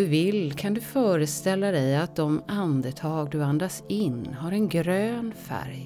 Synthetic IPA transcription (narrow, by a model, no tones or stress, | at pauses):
ɵvɪlkʰand̪ɵfœːɾəst̪ɛlːad̪ɛjat̪̚d̪ɔmand̪ət̪ʰɑːɡd̪ɵand̪asɪnːɦaɾɛnɡɾøːnfæ̰ɾj